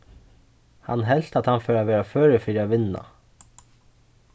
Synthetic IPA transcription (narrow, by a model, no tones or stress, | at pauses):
ha̰nɦɛl̥t̪at̪hɑnfœːɾaʋɛːɾaføːɹəfiːɾaʋɪna̰